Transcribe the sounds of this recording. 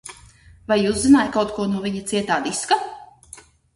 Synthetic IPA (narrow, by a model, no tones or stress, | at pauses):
vajuːzzinaːjkawt̪̚kuɔnuɔvʲiɲat̪siɛt̪aːd̪iska